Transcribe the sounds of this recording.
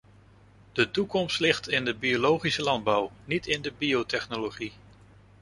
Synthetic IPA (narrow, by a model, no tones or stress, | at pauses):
d̥ətukɔmstlɪχtɪndəbiolowχisəlɑnd̚bʌwnitʰɪndəbiowtɛχnoloχi